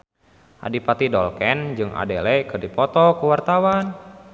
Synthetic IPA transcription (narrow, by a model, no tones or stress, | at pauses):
ʔa̰dipat̪idɔlkɛnd͡ʒɨŋʔa̰dɛlɛkɨrdipɔt̪ɔkuwart̪awan